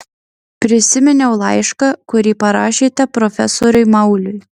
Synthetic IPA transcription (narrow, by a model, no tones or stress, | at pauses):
pʲɾʲɪsʲɪmʲɛnʲɛʊlˠɐɪʃkɑkʊɾʲiːpɐɾɑːʃʲiːt̪ʲɛpɾɔfʲɛsɔɾʲʊɪmɐʊlʲʊj